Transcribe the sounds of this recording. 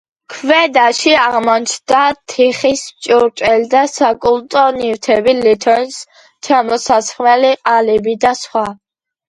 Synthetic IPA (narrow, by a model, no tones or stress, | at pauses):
kʰvɛd̪aʃiaʁmɔnt͡ʃʰd̪̥at̪ʰiχist͡ʃʼɔɾt͡ʃʼɛld̪asakʼult̪ʼɔnivt̪ʰɛbilit̪ʰɔns | t͡ʃʰamɔsasχmɛliqʼalibid̪asχwa